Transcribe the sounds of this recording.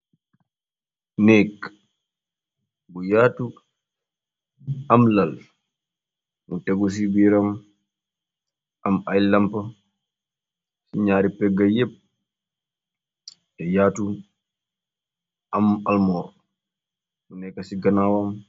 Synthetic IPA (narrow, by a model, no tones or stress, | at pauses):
nɛk | bujaːtu | amlal | mutɛɡus̬ibiɾam | ʔamajlampa | siɲaːɾipɛɡːajep̚ | ɛjaːtu | ʔamalmɔːɾ | munɛkːasiɡanawam